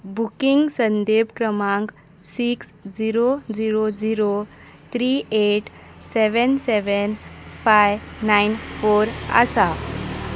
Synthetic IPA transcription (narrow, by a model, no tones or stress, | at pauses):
bukiŋɡsənd̪ebkɾəmãŋk | siksd͡ziɾod͡ziɾod͡ziɾo | t̪ʰɾieʈ | sɛʋənsɛʋənfajnajnfoɾa̰sa